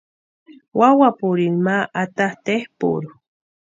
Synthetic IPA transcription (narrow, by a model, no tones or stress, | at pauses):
wawapuɾinmaʔat̪aht̪ehpṵɾu